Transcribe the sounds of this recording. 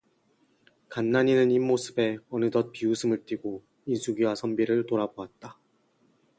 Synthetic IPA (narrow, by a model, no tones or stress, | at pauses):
kanːaɲinɯnimːosʰɯbe̞ʌnɯtʌt̚piusʰɯmɯɭt͈iɡo | insʰuɡiwasʰʌmbiɾɯɭtoɾaboat̚t͈a